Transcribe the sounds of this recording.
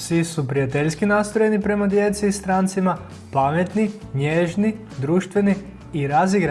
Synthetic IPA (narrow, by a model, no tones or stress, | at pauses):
sʋisupɾijat̪eʎskinast̪ojenipɾe̞mad̪je̞t̪siːst̪ɾaːnt̪sima | pamet̪niɲeʒni | d̪ɾuːʃt̪ʋe̞niː | ɾaziɡɾa